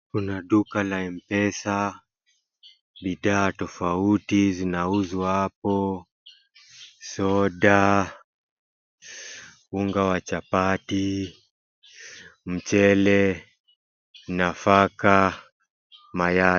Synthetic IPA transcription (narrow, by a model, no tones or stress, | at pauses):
kunaɗukalaɛm̩pɛsa | ɓiɗaːtɔfautizinauzwapɔ | sɔɗa | uŋɡawat͡ʃapati | m̩t͡ʃɛlɛ | nafaka | maja